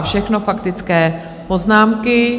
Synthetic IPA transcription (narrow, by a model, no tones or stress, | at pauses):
fʃɛxnofakt̪ɪt͡skɛː | poznaːmkɪ